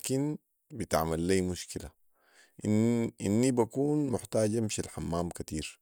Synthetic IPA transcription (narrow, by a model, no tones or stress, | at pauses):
akin | bit̪a̰ʕmalːiːmuʃkila | ʔinʔinːibakuːnmʊħt̪aːɟamʃilħamːaːmkat̪iːɾ